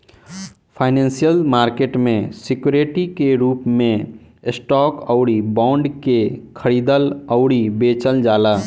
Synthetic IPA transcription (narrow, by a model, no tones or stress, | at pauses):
pʰaːɪnɛ̃ːnsijəlmaːɾkeːʈmẽsɪkjuːɾeʈikeɾuːpmẽ | ɪsʈɔːkɔʊɽibãːɳɖkekʰəɽiːd̪ələʊɽibeːt͡ʃəld͡ʒaːlaː